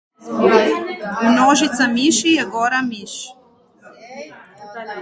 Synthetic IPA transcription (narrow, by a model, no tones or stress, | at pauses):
unoʒit̪samiʃijeɡoɾamiʃ